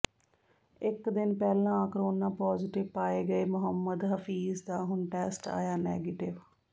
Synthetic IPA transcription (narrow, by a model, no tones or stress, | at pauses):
ɪkd̪ɪnpɛːlãːkəɾoːnãːpɔːzɪʈɪʋpaːeːɡəeːmʊɦəmːəd̪ɦəfʰiːzd̪aːɦʊnʈɛːsʈa̰ːjaːnɛːɡeːʈɪʋ